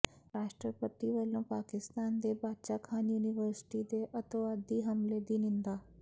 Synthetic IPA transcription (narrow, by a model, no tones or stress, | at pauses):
ɾaːʃʈɾəpət̪iʋəlõpaːkɪst̪aːnd̪ebaːd̪ʃakʰaːnjuːnɪʋəɾsɪ̥ʈid̪eʔɐt̪oaːd̪iɦɐmled̪inĩnd̪aː